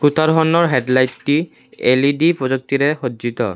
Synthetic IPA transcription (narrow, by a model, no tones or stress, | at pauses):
kut̪ʰaɾɦɔnːɔɹɦedlajtːi | elidipɹɔzɔk̚t̪iɾɛxodzit̪ɔ̰